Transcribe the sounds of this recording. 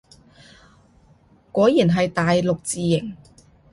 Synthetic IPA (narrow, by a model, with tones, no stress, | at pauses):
kɔː˨˥jiː˨˩nɦɐ˨jt̪aː˨jlʊ˨k̚t͡siː˨jɪ˨˩ŋ